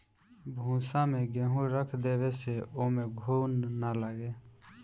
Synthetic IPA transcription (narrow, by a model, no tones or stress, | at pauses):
bʱũːsãmẽɡeːɦũɾəkʰd̪eːweseoːmẽɡʱuːnːaləɡeː